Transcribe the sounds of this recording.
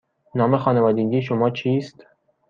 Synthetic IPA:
nɒːmexɒːnevɒːd̪eɡʲiːʃ̬omɒːt͡ʃʰiːst̪

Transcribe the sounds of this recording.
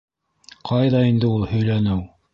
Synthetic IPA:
qʰɑjðɑind̪ɘulˠhɵ̆jlænɘw

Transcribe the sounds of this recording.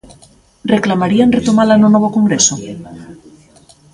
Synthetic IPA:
reklamaɾianret̪omalanonoβokoŋɡɾeso

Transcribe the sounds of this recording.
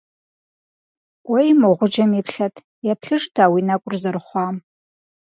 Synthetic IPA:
wejmoʁʷʊd͡ʒɐmipʰɬɐtʰ | japʰɬɨʂtʰaːwinakʷʼʊrzarχʷɑːm

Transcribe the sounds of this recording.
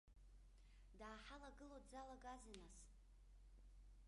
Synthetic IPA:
daːħalaɡɨlodd͡zalaɡʼazanas

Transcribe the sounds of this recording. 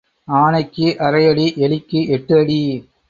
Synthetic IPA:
aːnɐɪkːɯʔɐɾɐɪjɐɭiʔɛɭɪkːɯʔɛʈːɯɐɽi

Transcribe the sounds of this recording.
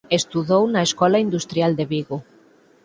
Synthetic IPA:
est̪uðownɐeskɔlɐind̪ust̪ɾjald̪eβiɣo

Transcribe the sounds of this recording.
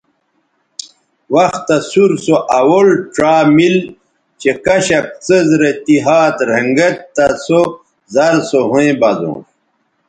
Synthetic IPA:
wɐxt̪ːɐsuɾsoʔɐwolʈ͡ʂaːmil | t͡ɕekɐɕɐk̚t͡səzɾet̪iɦaːt̪ɾeŋɡet̪t̪ɐso | zɐɾsoɦuẽbɐzõ̰ː

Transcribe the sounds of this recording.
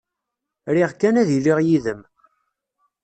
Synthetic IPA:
ɾiʁkːænæðiliʁjiðəm

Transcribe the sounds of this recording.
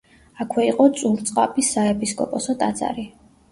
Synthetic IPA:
akʰwɛiqʼɔt̪sʼuɾt̪sʼqʼapʼisaɛpʰʼiskʼɔ̰pʼɔsɔt̪ʼad̪zʼa̰ɾi

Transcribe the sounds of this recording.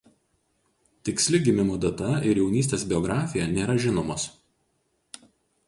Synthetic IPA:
t̪ʲɪksʲlʲɪɡʲɪmʲɪmoːd̪ɐt̪ɐɪɾjɛʊnʲiːsʲt̪ʲeːsbʲɪɔɡɾɑːfʲɪjɛnʲeːɾɐʒʲɪnoːmoːs

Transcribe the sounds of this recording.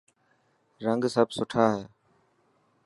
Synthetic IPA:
ɾəŋɡsəbʱsʊʈʰaːɦeː

